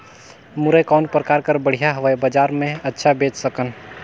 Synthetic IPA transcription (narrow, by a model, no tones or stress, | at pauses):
muɾəkawnpɾəkaɾkəɾbəɽ̤ijaɦəʋəjbəd͡ʒaɾmeətːʃʰabet͡ʃsəkən